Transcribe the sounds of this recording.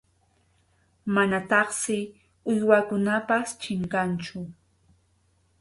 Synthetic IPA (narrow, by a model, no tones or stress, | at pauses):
manat̪ɑχsɪ | ʊjwakʊnapast͡ʃɪŋkant͡ʃʊ